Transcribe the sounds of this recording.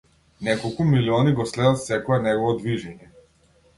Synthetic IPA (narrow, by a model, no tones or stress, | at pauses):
nɛkɔlˠkumiliɔniɡɔslɛd̪at̪sɛkɔɛnɛɡɔvɔd̪viʒɛɲɛ